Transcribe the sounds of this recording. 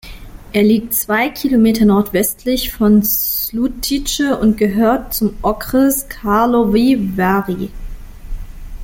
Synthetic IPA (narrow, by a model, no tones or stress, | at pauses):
ʔeːɐliːk̚tt͡sv̥aɪkʰilomeːtɐnɔɐtv̥ɛstʰlɪçfɔnlutʰit͡ʃəʊntɡ̥əɦøːɐt̚t͡sʊmʔɔkʁəskʰaɐlovivaʁi